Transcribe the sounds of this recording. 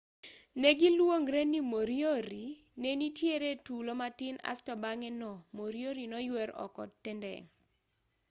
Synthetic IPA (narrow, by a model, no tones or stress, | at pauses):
neɡilwoŋɾenimoɾjoɾi | nenitʰjeɾetulomatɪna̰stɔbaŋɛnɔmoɾjoɾinɔjwɛɾɔ̰kɔ̰tːɛndɛ̰